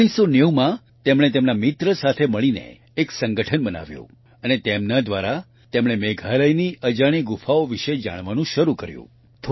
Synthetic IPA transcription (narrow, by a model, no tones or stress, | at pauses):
ɽ̃isoneumã | t̪emɽ̃et̪emnamɪt̪ɾəsat̪ʰeməɭinḛː | ksəŋɡəʈʰənbəna̰ʋjṵ̃ | ənet̪emnad̪ʋaɾa | t̪emɽ̃emeɡʱaləjniəd͡ʒaɽ̃iɡufaoʋiʃed͡ʒa̰ɽ̃ʋanũʃəɾukəɾjṵ̃ | t̪ʰ